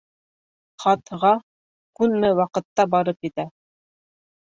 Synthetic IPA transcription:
χɑt̪ʁɑ | kʉnmɘwɑqɤ̆t̪ːɑbɑɾɤpjɘ̆t̪æ

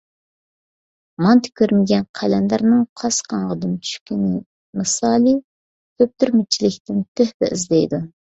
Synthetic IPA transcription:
mɑnt̪ʰɪ̥kʲʰøɾmɪɡʲɛnqʰælɛnd̪æɾnɨŋqʰɑsqʰɑɴʁɑd̪ɨmt͡ʃʰy̥ʃkʲinɪ | mɨsɑːlˠi | kʰʲøp̚t̪yɾmɪt͡ʃʰilɪkʲt̪ɪnt̪ʰøhbɛ̰ʔizd̪ɛjd̪u

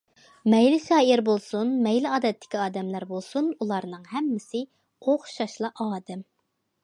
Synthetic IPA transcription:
mɛjlɪʃɑːiɾbolˠsunmɛjlɪɑːd̪ɛt̪ʰːɪ̥kʲiɑːd̪ɛmlæɾbolˠsunulˠɑɾnɨŋɦɛmːɪsɪ | oχʃɑʃlˠɑʔɑːd̪ɛm

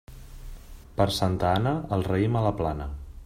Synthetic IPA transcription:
pəɾsant̪əanəəlˠrəimələplanə

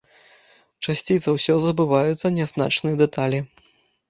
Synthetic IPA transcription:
t͡ʂasʲt͡sʲit̪sɐwsʲɔzɐbɨvajut̪sːɐnʲɛzna̰t͡ʂnɨjɐd̪ɛt̪alʲi

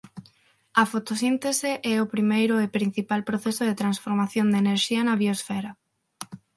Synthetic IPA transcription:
ɐfot̪osint̪eseʔɛʊpɾimejɾʊepɾin̟θipalpɾoθesʊðet̪ɾansfoɾmaθjond̪eneɾʃiɐnɐβiosfɛɾɐ

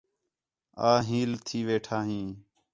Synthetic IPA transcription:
aːɦiːlt̪ʰiːʋeːʈʰaːɦĩː

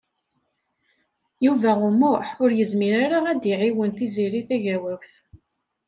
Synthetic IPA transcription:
juvæʁʊmʊħʊɾjəzmiɾaɾaæd̪iʕiwənθiziɾiθæʝæwæwθ

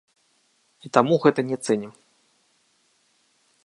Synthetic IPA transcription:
it̪amuɣɛt̪ɐnʲɛt̪sɛnʲim

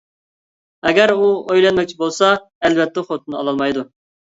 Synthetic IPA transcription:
ɛɡʲɛɾuojlɛnmɛk̚ʲt͡ʃʰibolˠsɑ | ɛlvɛt̪ːɛχot̪ʰunɑ̰lˠɑlˠmɑjd̪u

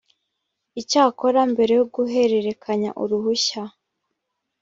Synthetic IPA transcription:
icaːko̞ɾambe̞ɾe̞joɡuɦe̞ɾe̞ɾe̞kʰaɲa̰ʔuɾuhuça

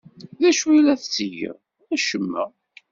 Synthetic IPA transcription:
ðæʃulæθt͡sːəjə̰ʁ | ðæʃəmːə̰

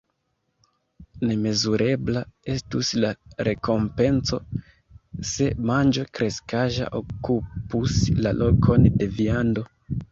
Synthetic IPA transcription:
ne̞me̞zuɾʔe̞blae̞stuslaɾe̞ko̞mpe̞nt͡so̞̰ | se̞mand͡ʒo̞kɾe̞skaʒa̰ʔokupuslalʔo̞kʰo̞nde̞viando̞

